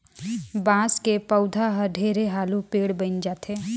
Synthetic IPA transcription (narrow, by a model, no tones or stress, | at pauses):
bãːskepəʊd̪ʱaɦɐɾɖʱeːɾeɦaːlũpeːɽbə̃nd͡ʒaːt̪ʰe